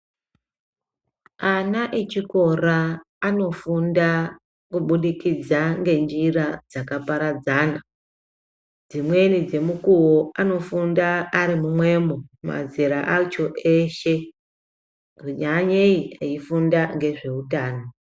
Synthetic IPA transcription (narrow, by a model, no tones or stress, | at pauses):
anaʔet͡ʃiko̞raː | no̞funda | kuɓuɗikid͡zaŋɡe̞nd͡ʒirad͡zakapaɾad͡zaːna | d͡zimwe̞nid͡ze̞mukuwoano̞fundaːɾimumwe̞ːmoma̰ziɾaʔat͡ʃo̞ʔe̞ʃe̞ | ʐiɲaɲeiaifundaŋɡe̞ʐe̞utaːno